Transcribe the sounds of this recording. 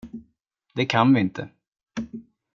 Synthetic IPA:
d̪̥ɛkʰanvɪɪnt̪ʰə̰

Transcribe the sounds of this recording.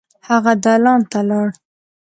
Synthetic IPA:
haɣad̪alɑnt̪alɑɽ

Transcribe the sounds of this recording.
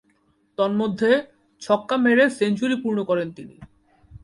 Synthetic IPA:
t̪ɔnmod̪ʱːe | t͡ɕʰɔkːameɾesent͡ɕuɾipuɾnokɔɾent̪inḭ

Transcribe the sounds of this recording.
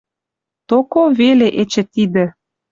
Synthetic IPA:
t̪okoveleʔet͡ɕĕt̪id̪ə̆

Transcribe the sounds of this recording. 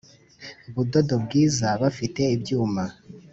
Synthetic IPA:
uβudo̞do̞bɡiːzaβafite̞ibjuːma

